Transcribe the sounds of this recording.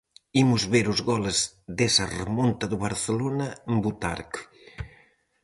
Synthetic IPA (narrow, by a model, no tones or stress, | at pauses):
imuzβeɾuzɣɔlezðesɐremont̪ɐðuβaɾθelonɐmbut̪a̰ɾk